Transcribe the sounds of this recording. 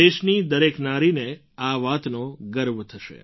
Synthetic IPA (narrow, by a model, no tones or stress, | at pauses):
eʃnid̪əɾeknaɾine | aʋat̪noɡəɾʋt̪ʰəʃḛ